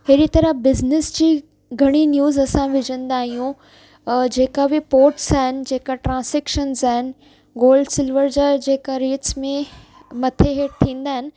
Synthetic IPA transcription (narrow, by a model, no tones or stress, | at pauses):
ɦeːɾit̪ɐɾəbɪznɪsd͡ʑiː | ɡʱɐɽ̃injuːzɐsãʋɪd͡ʑə̃nd̪aːɦijũ | d͡ʑeːkabipoːɾʈsaːɦɪnɪ̆d͡ʑeːkaʈɾãːnseːkʃənzaːɦɪnɪ̆ | ɡoːlɖsɪlʋəɾd͡ʑad͡ʑeːkaɾeːʈsmẽ | mɐt̪ʰeɦeːʈ̚t̪ʰĩːn̆d̪aːɦɪnɪ̆